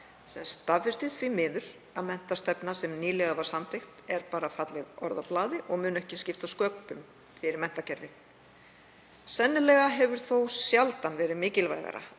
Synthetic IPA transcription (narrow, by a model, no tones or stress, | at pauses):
sɛnst̪avfɪst̪ɪð̥θvimɪːðʏɾ̥ | aðmɛn̥t̪ast̪ɛpnasɛmniːlɛɣavaɾ̥samt̪ʰejxt̪ɛɾpaːɾafat̪lɪðɔ̰ɾðaplaːðɪʔɔɣmʏːnɛhcɪscɪft̪askœk̚pʏm | fɪɾɪɾmɛn̥t̪acɛɾvɪθ | sɛnːɪlɛɣaɦɛvʏɾ̥θowsjalt̪anvɛːɾɪmɪːcɪlva̰jɣa̰ɾa̰